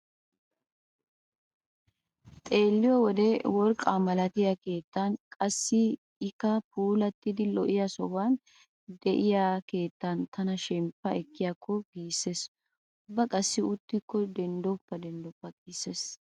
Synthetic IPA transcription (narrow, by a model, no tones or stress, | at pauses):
t̪ʼe̞ːlːɪjɔwɔd̪ɛwɔɾkʼamɐlɐt̪ɪjɐke̞ːt̪ːɐnkʼɐsːɪ | ɪkɐpuːlɐt̪ːɪd̪ɪlɔʔɪjɐsɔwan | d̪ɛʔɪjake̞ːt̪ːɐnt̪ʰɐnɐʃɛmpːɐɛkːɪjaːkʰːɔɡiːsːe̞ːs | ʊbːɐkʼɐsːɪʊt̪ːɪkːɔd̪ɛnd̪ɔpːɐd̪ɛnd̪ɔpːɐɡiːsːes